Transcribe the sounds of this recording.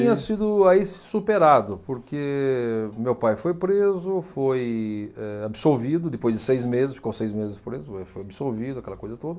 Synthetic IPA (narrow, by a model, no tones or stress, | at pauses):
ĩɲɐsid̪ʊaisɪ̥supeɾad̪ʊpoɾke | mewpajfojpɾezʊfojɛabɪsoɾvid̪ʊd̪ɪpojzd͡ʒɪsejzmezɪsfi̥kõwsejzmezɪspɾezʊafojabisoɾvid̪ʊɐkɛlɐkojzɐt̪od̪ɐ